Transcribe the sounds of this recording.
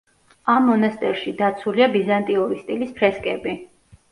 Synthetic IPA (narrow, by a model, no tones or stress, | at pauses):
amːɔnast̪ʼɛɾʃid̪at̪sʰuliabizant̪ʼiɔɾist̪ʼilispʰɾɛskʼɛbi